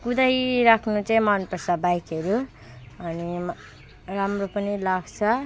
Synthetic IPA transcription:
kud̪ajɾakʰnut͡saĩmʌnpʌsabajkʌɾu | ʌni | ramropʌnilaɡt͡sʰʌ

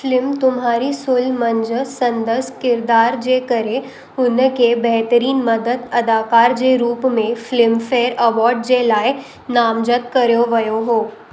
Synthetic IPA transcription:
flɪmt̪ʊmɦaːɾisʊlmə̃ɲd͡ʒəsɐ̃nd̪əskɪɾd̪aːɾd͡ʒeːkəɾe | ʊnkebɛɦt̪əɾiːnmɐd̪əd̪ɐd̪aːkaːɾd͡ʒeɾuːpmẽflɪmfeːɾɐʋɔːɾɖd͡ʑelaːe | naːmd͡ʒət̪kɐɾjoʋɐjoɦoː

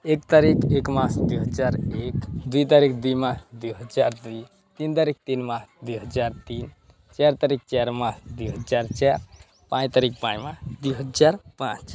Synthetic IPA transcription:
ekt̪aɾikekmãsd̪uɦəd͡ʒaːɾeːkd̪uit̪̬aɾikd̪imãsd̪uɦəd͡ʒaːɾd̪i | t̪iːnt̪aɾik̚t̪iːnmãːsd̪uɦəd͡ʒaːɾt̪iːn | t͡ʃɛɾt̪aɾik̚t͡ʃaɾmãːsd̪ujɦəd͡ʒaːɾt͡ʃaːɾ | pãːd͡ʒt̪aɾik̚pãːmãsd̪uɦəd͡ʒaːɾpãːt͡ʃ

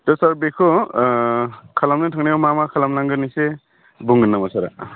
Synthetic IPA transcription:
tɔsaɾbekʰɔ | kʰalamnɯtʰaŋnijamamakʰalamlaŋɡɯnise | buŋɡɯnːamasaɾa̰

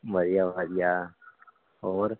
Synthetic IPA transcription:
məɾijaʋad̪ija | ɔːɾ

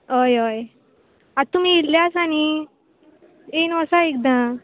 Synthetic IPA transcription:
ɦojoj | at̪ːum̤iilːjasañi | enəsaekd̪ã

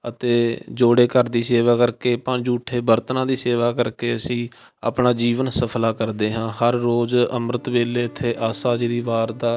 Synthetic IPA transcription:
ət̪eːd͡ʒoːɽeːkəɾd̪iːseːʋaːkəɾkeːpə̃d͡ʒuːʈʰeːbəɾt̪nãːd̪iːseːʋaːkəɾkeːəsĩː | a̰ːpɳaːd͡ʒiːʋənsəpʰlaːkəɾd̪eːɦãːhəɾːoːzəmɾət̪ʋeːleːɪt̪ʰːeːʔaːsaːd͡ʒid̪iːʋaːɾd̪aː

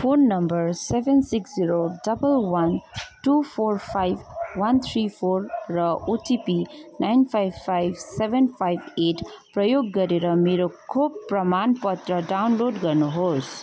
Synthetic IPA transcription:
pʰonːʌmbʌɾsebʱensiksziɾoɖʌbəlwʌnʈupʰorpʰajbʱwʌnt̪ʰɾipʰoɾːʌoʈipinajnpʰajbpʰːajbʱsebʱenpʰajbeʈʰprʌjoɡːʌɾeɾʌmeɾokʰubpːrʌmanpʌt̪ɾʌɖawnloɖɡʌɾnuɦos

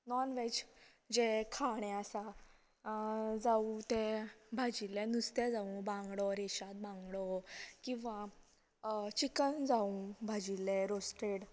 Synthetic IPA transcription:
nɔnʋed͡ʑ | d͡ʑekʰaɽ̃ẽasa | d͡zaut̪ɛbʱad͡ʑilɛnust̪ɛd͡zaũbãŋɡɽɔɾeɕat̪̚bãŋɡɽɔkĩw̃ʋa | t͡ɕikənd͡zaũbʱad͡ʑilɛɾosʈeɽ

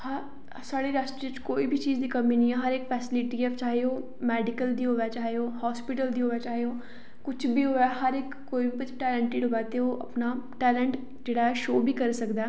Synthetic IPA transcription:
hə | saːɽeːɾaːsʈɾiːt͡ʃkoːiːbʱit͡ʃiːd͡ʒd̪iːkəmiːnĩːɛːɦəɾɪkfʰɛːsɪlɪʈiːɛft͡ʃaːɦeoː | mɛːɖɪkəld̪iːɦoːʋɛːt͡ʃaːɦeoːhɔːspɪʈəld̪iːɦoːʋɛːt͡ʃaːɦeoː | kʊt͡ʃʰbiːɦoːɛːɦəɾɪkːoːibikʊt͡ʃʈɛːləɳʈɪɖɦoːɛːt̪eːoːʔə̰pnaːʈɛːlə̃ɳʈ | d͡ʒeːɽaːɛːʃoːbʱiːkəɾsəkd̪aː

